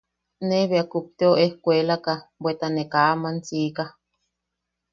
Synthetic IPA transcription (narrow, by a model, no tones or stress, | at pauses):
neβeakup̚t̪eoʔehkʷelakabwet̪anekaʔamant͡sika